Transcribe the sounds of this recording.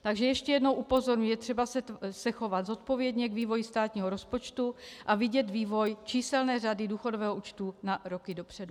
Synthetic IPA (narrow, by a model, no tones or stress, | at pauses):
t̪aɡʒɛjɛʃcɛjɛdnowʔupo̞zo̞ɾɲujɛt̪r̥ɛbasɛsɛxo̞vad̪zo̞t̪po̞vjɛdɲɛɡviːvo̞jist̪aːt̪ɲiːɦoɾo̞spo̞t͡ʃt̪uʔavɪɟɛt̪viːvo̞jt͡ʃiːsɛlnɛːradɪduːxo̞dovɛːɦoʔuːt͡ʃt̪uːnaɾo̞kɪdo̞pr̝̥ɛdu